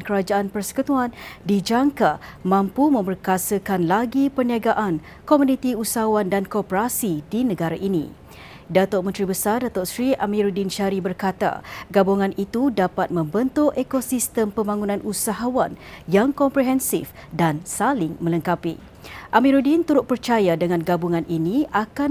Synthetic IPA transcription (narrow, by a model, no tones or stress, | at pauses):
kəɾad͡ʒaʔanpərsə̥kət̪uandid͡ʒaŋkamãmpumə̃mbərkasəkanlaɡipərniaɡaʔan | kɔmũnĩt̪iusaɦawandankopəɾasidinə̃ɡaɾaʔinḭ̃ | dat̪oʔ̚mənt̪ɾibəsardat̪ɔʔsɾiʔamĩɾudinʃaɾibərkat̪a̰ɡabuŋãnʔit̪udapat̪̚mə̃mbənt̪ʊʔekosist̪əmpəmbaŋunãnʔusaɦawanjaŋkɔmpɾeɦɛnsif | dansalɪŋmə̃ləŋkapḭ | ʔamĩɾudint̪uɾʊt̪̚pərt͡ʃajadəŋãnɡabuŋãnʔiniʔaka